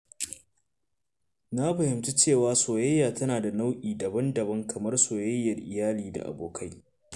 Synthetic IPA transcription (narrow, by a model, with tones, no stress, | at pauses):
na˦ɸɐ˨hɪ˨mtu˦t͡ʃeː˦˨waː˦soː˨jɐ˦jːaː˨tɐ˦naː˨da˨na˦wʔiː˨dɐ˨bɐ˦ndɐ˨bɐ˦ŋkʰɐ˨mɐ˦rsoː˨jɐ˦jːɐ˨rʔɪ˨jaː˦liː˨da̰˨ʔa̰˨boː˨kʰa˦j